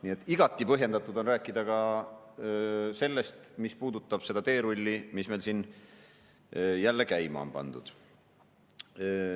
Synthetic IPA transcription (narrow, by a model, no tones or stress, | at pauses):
nie̞t̪ːˑiɡ̥ɑt̪ːˑipɤɦje̞nd̪ɑt̪ːˑud̪o̞nræːkˑːid̪̥ɑkɑ | se̞lːe̞st̪mispuːd̪ut̪ːˑɑb̥se̞d̪ɑt̪e̞ːɾulʲːimisme̞jlsin | jælːe̞kæjmɑ̰ompɑ̰nd̪̥ud̪̥